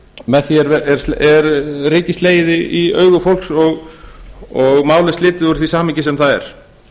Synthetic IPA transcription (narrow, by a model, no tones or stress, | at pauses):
mɛðθiɛɾvɛɛɾ̥ɛɾriːcɪsleːjɪðɪiœːɥɣʏfowlksɔɣ | ɔɣmaːwlɪstlɪːt̪ɪðuɾ̥θvisaːmɪɲcɪsɛmθaðɛ̰ɾ̥